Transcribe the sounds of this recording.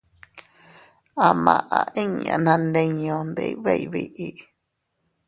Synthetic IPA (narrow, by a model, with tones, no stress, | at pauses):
a˨mã˨ʔã˧˨ʔĩ˦ɲã̰˨nã˧nẽ˧ɲõ˨nd̪ḛ˧i˦βe˦˨i˨βi˨ʔi˨